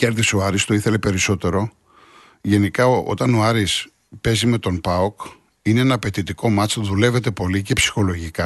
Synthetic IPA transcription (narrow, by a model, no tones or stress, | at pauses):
ce̞ɾðisoɐɾist̪o̞iθe̞le̞pe̞ɾiso̞t̪e̞ɾo̞ | ʝe̞nikɐoo̞̰t̪ɐno̞ɐɾis | pe̞zime̞t̪o̞npɐok | ineenɐːpe̞t̪it̪iko̞mɐt͡sðule̞ve̞t̪e̞po̞lice̞psi̥xo̞lo̞ʝikɐ